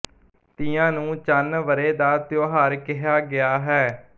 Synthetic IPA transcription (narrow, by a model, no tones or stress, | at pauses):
t̪ɪːãːnũːt͡ʃənʋəɾeːd̪aːt̪joːɦaːɾkɪɦaːɡɪaːɦɛː